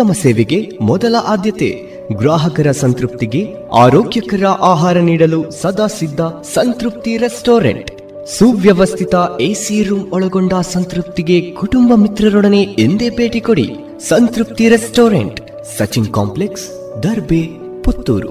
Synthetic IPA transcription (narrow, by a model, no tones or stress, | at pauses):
t̪ɐmɐseːʋeɡe̞mɔd̪ɐlɐʔaːd̪jɐt̪ḛ | ɡɾaːɦɐkɐɾɐsɐnt̪ɾup̚t̪iɡe̞ | a̰ːɾoːɡjɐkɐɾɐʔaːɦaːɾɐniːɽɐlusɐd̪aːsid̪ːɐsɐnt̪ɾup̚t̪iɾesʈoːɾḛɳʈ | suʋjɐʋɐst̪ʰit̪ɐeːsiːɾuːmɔɭɐɡoɳɖaːsɐnt̪ɾup̚t̪iɡe̞kuʈumbɐmit̪ɾɐɾɔɽɐne̞end̪e̞ːbe̞ːʈikoɽḭ | sɐnt̪ɾup̚t̪iɾesʈoːɾḛɳʈː | ɐt͡ʃinka̰ːmpleks | d̪ɐɾbe | put̪ːṵːɾṵ